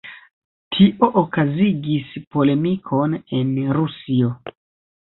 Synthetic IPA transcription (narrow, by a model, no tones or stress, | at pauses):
tʰiʔo̞ʔokaziɡispo̞le̞mikʰo̞ne̞nɾusio̞